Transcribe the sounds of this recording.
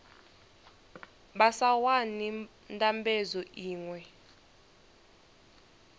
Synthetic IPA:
ɓasawani | ntʼambezɔʔiːŋwɛ

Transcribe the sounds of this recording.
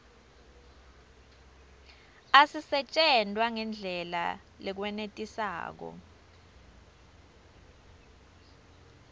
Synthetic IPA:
asisɛt͡ʃʼɛndʱʼwaŋɛnd͡ɮʱɛla̰ | lɛk̬wɛnetʼisa̰ːk̬ɔ̰

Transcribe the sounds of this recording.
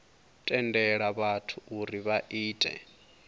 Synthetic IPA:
tʼɛndɛɺaβatʰuuɾiβaʔiːtʼɛ̰

